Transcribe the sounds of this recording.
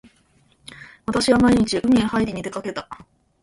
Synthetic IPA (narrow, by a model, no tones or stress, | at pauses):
βat̪aɕiβamaiɲ̟it͡ɕiʔɯ̟mʲiẽhaiɾʲiɲ̟id̪e̞kake̞t̪a